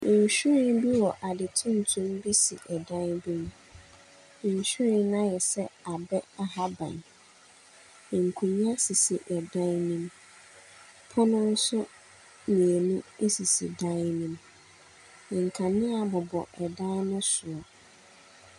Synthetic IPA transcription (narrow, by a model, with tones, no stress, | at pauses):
ɲ˨ɕᶣu˦ɾɪ˦nbi˦wɔ˨ʔa˨dɪ˨tʰʊ̃˦n̩˨tʰʊ̃˦mbi˦sḭ˨ʔɛ˨dã˦nbi˦m˦˨ | ɲ˨ɕu˦ɾɪ̃˦n˦nã˦jɛ˨sɛ˦a˨bɛ˦a˨ɦa˦bã̰˨n˨ | ŋ̩˨kʰũ˨ɲ˦a˦si˨si˨ʔɛ˨dã˦nnĩ˦m | pʰʊ˦nʊ̃˦n̩˦sʊ˦ | mĩ˨e˨nʊ̃˦e˦si˨sḭ˨dã˦nnĩ˦m˨ | ŋ̩˨kʰã˨nɪ̃˦a˨bɔ˨bɔ̰˨ʔɛ˨dã˦n˦nʊ̃˦sʊ˨ɔ˨